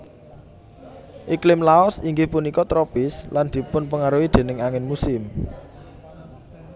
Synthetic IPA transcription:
ʔiklɪmlaɔsiŋɡɪhpunikɔt̪ɾopɪsland̪̥i̤pʊnpəŋaɾuwid̪̥e̤nɪŋaŋɪnmusɪm

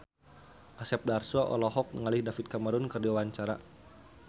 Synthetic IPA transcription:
ʔasɛp̚darsuaʔɔ̰lɔɦɔk̚nəŋalihdafit̪̚kaməɾʊnkərdiawaɲt͡ʃaɾa

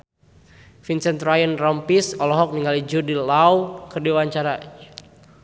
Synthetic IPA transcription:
finsɛnt̪ɾajənrɔmpisɔlɔɦɔk̚niŋalid͡ʒudilawkərdiwaɲt͡ʃaɾa

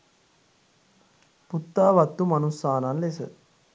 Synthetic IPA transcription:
put̪ːaːʋɐt̪ːumɐnusaːnanlesɐ̰

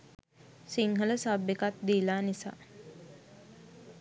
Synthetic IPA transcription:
siŋɦələsabːekat̪d̪iːlaːnisa̰ː

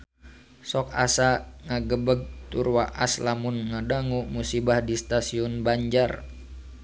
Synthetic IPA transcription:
sɔka̰saŋaɡəbəɡ̚t̪urwaʔaslamunŋadaŋumusibahdist̪asiɔnbaɲd͡ʒar

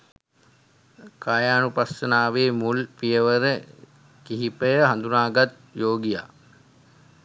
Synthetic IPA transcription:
kaːjaːnupasənaːʋeːmulpijəʋəɾə | kiɦipəjəɦand̪unaːɡat̪̚ | joːɡija̰ː

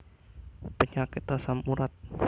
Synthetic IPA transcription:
pəɲakɪt̪asamuɾat̪̚

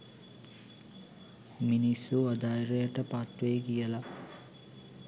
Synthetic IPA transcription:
minisuɐd̪aːjɾejɐʈəpat̪ʋejɡijəla

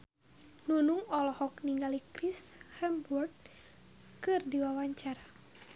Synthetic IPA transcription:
nunuŋɔlɔhɔkniŋɡalikrishɛmburd̚ | kɨrdiwawaɲt͡ʃaɾa

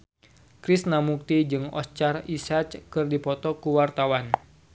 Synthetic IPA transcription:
kɾɪsnamuk̚t̪id͡ʒɨŋɔst͡ʃarisat͡ʃkɨrdipɔt̪ɔkuwart̪awan

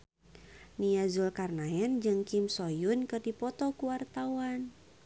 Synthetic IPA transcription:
niazulkarnaɛnd͡ʒɨŋkimsojʊnkɨrdipɔt̪ɔkuwart̪awan

